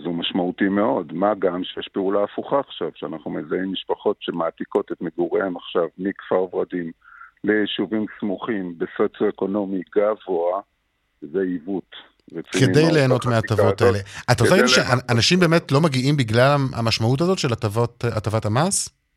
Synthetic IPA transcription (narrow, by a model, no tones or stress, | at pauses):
zumaʃmautimeo̞dmaɡamʃejeʃpeulaːfuχaːχʃav̥ʃeanaχnumezaimːiʃpaχo̞tʃemaat̪iko̞t̪et̪meɡuʁeemaχʃavmikfaʁvʁadimlejiʃuvimsmuχimbesot͡sjoeko̞no̞miɡavo̞a | zeivut | ʁet͡skieidejle̞ːno̞tmeatavo̞taele̞atasaʃeʔaʔanaʃimbeːme̞tlo̞maɡiimbiɡlalaa̰maʃmaut̬azo̞tʃelatavotatavathamas